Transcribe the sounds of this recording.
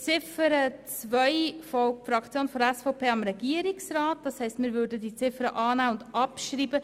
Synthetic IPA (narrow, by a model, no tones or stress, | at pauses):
t͡sɪfəɾət͡svœɪfɔfɾɑkt͡sjoːnfɔdɛsfɔʊpʰeːɑmɾɛɡiəɾɪksraːt̚d̥ɑshɛɪstmɪːɾvʏːɾdədit͡sɪfəɾəʔɑːnæːʊndɑpʃɾiːbə